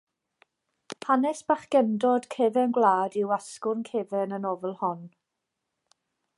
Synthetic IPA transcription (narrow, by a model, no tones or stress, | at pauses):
phʰanɛsb̥aχɡ̥ɛndɔd̥kʰɛvɛnɡwlˠaːdɪwaskʊrnkʰeːvɛnənɔvɛlˠhɔn